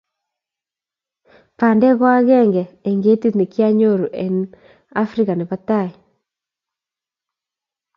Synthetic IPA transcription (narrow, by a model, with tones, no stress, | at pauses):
pa˨ndɛ˦ɣwa˦ɣɛ˦˨ŋɡɛː˨ŋɡe˦ti˦t̪ni˨ki˦a˦ɲo˦˨ɾu˨ʔe˨n | a˦fɾi˦ka˨nɪ˨pa˦ta˦˨i˨